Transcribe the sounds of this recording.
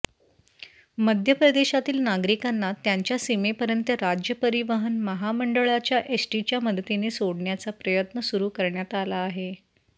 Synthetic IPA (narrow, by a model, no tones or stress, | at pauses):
məd̪ʱjəpɾəd̪eɕat̪iːlnaɡɾikanːat̪jaɲt͡ɕjasimepəɾjənt̪əɾad͡ʑjəpəɾiʋəɦənməɦaməɳɖəɭat͡ɕjaʔesʈit͡ɕjaməd̪ʱət̪inesoɽɳjat͡sapɾəjət̪nəsuɾuːkəɾɳjat̪alaːɦe